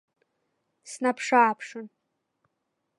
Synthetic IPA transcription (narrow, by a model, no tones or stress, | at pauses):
snapʰʂaːpʰʂɨn